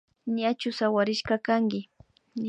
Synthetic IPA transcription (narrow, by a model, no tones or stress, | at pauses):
ɲat͡ʃʊsawaɾɪʃkakaŋɡɪ | ɲ